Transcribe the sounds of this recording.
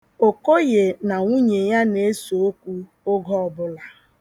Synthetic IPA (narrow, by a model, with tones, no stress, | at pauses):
o˨ko˦je˨na˨ŋʷu˦ɲe˨ja˦ne˨˦e˦so˨o˦kʷu˦ | ʊ˦ɡɔ˦ɔ˨bʊ˦la˨